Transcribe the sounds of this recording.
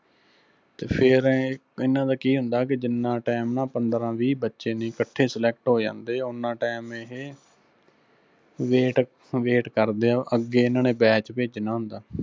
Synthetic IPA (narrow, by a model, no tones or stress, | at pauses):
t̪eːpʰɪɾ | ɪnːãːd̪aːkiːɦʊnd̪aːk̬ɪd͡ʒɪnːãːʈɛːmnãːpənd̪ɾãːʋiːbətːʃeːnĩːkəʈʰːeːsəlɛːk̚ʈɦoːd͡ʒã̰ːnd̪eːʊnːãːʈɛːmeɦeː | ʋeːʈ | ʋeːʈkəɾd̪eːaːʔəɡːeːɪnãːnẽːbɛːt͡ʃpeːd͡ʒnaːɦʊ̃nd̪aː